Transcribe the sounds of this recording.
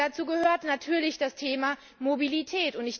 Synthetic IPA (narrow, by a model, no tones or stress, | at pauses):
at͡suːɡəhøːɐtnatʰyːɐlɪçd̥astʰeːma | mobilitʰɛːtʊntɪç